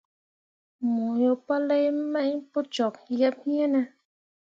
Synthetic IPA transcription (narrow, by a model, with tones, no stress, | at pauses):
mu˨jo˨pa˦lɛ˦jmɛ˦ʔɲpo˦t͡ʃɔ˨k̚jɛ˦p̚hĩ˦ɛ˦nɛ˦